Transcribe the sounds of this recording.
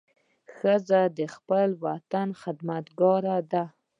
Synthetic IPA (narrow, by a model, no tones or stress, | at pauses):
xəzad̪əxpəlwat̪anxɪd̪mat̪ɡɑɾad̪a